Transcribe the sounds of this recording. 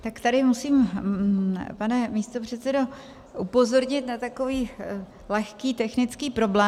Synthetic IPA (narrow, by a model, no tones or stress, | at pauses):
t̪akt̪adɪmusiːm | panɛmiːst̪o̞pr̝̥ɛt̪t͡sɛdo̞ | ʔupo̞zo̞ɾɲɪt̪nat̪ako̞viː | lɛxkiːt̪ɛxnɪt͡skiːpɾo̞blɛː